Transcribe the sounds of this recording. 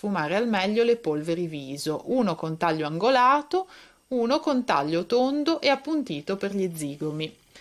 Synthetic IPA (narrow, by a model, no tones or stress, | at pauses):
fumaːɾealmɛʎːolepolveɾiviːzoʔuːnokont̪aʎːoaŋɡolaːt̪o | uːnokont̪a̰ʎːot̪ond̪oʔeapːunt̪iːt̪operʎid̪zːiːɡomi